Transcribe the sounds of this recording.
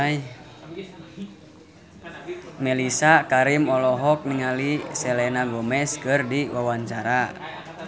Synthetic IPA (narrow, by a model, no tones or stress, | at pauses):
j | mɛlisakaɾimɔlɔɦɔk̚niŋalisɛlɛnaɡɔmɛskɨrdiwawaɲt͡ʃaɾa